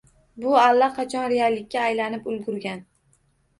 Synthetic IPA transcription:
bʊalːaqʰɑt͡ʃʰɒnɾealːɪk̚ʲːaːjlanɪpʊlˠɡʊɾɡʲan

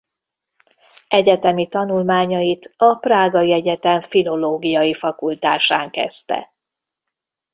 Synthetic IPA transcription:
ɛɟɛt̪ɛmit̪ɒnulmaːɲɒjit̪ɒpraːɡɒjiɛɟɛt̪ɛɱfilo̞loːɡijɒjifɒkult̪aːʃaːŋkɛ̰st̪ɛ̰

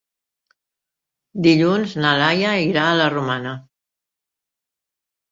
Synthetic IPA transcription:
d̪iʎunznalajəiɾaːlərumanə

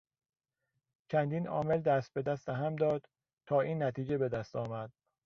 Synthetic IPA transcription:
t͡ʃʰænd̪iːnɒ̰ːme̞ld̪æst̪̚be̞d̪æst̪eɦæmd̪ɒːd̪̥ | t̪ʰɒːʔiːnːæt̪ʰiːd͡ʒebe̞d̪æst̪ɒːmæd̪̥̚

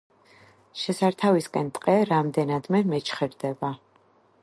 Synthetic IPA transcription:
ʃɛsaɾt̪ʰaviskʼɛnt̪ʼqʼɛɾamd̪ɛnad̪mɛmɛt͡ʃʰχɛɾd̪ɛba

